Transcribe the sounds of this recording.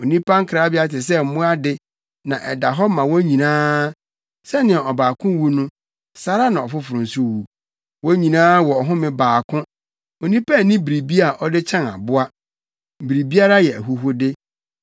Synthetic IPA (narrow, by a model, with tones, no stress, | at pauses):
o˨nĩ˦pʰa˦ŋ̩˦kʰɾaː˨˦bɪ˦a˦tɪ˨s̬ɛ˦m̩˨˦mʊ̃˦a˦dɪ˦ | nã˨ʔɛ˨da˨ɦɔ˦mã˨wɔ˦ɲĩ˨nãː˦ | sɛ˦nɪ̃˨a˨ɔ˨baː˨kʰʊ̃˦wu˦nʊ̃˦ | sa˦ɾa˦nã˨ɔ˨fʊ˦fʊ˨ɾʊ̃˨n̩˨su˦˨wu˨ | wɔ˦ɲĩ˨nãː˦wɔ˨ɔ˨ɦʊ̃˦mɪ̃˨baː˨kʰʊ̃˦ | o˨nĩ˦pʰa˦˨nĩ˦bi˨ɾi˨bi˦a˨ʔɔ˦dɪ˦t͡ɕʰɛ̃˦na̰˨bʊ˦a˦˨ | bi˨ɾi˨bi˦a˦ɾa˦jɛ˨æ˨ɦu˦ɦʊ˦dɪ˦